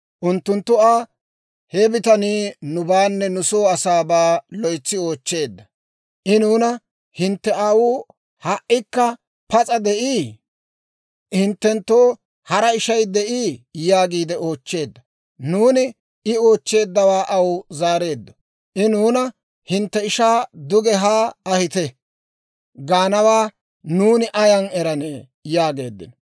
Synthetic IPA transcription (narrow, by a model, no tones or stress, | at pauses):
ʔʊnt̪ːʊnt̪ːʊaː | hebɪt̪ɐniːnʊbaːnːɛnʊso̞ːɐsaːbaːlɔjt͡sːɪo̞ːt͡ʃːe̞ːd̪ːɐ | ʔɪnuːnɐ | hɪnt̪ːɛaːwuː | haʔɪkːɐ | pɐt͡sʼɐd̪ɛʔiː | hɪnt̪ːɛnt̪ːoː | hɐɾɐɪʃɐjd̪ɛʔiːjaːɡiːd̪ɛo̞ːt͡ʃːe̞ːd̪ːɐ | nuːnɪ | ɪo̞ːt͡ʃːe̞ːd̪ːɐwaːʔɐwzaːɾe̞ːd̪ːɔ̥ | ʔɪnuːnɐ | hɪnt̪ːɛɪʃaːd̪ʊɡɛɦaːɐhɪt̪ɛ | ɡaːnɐwaː | nuːnɪʔɐjɐnɛɾɐne | jaːɡe̞ːd̪ːɪ̰nɔ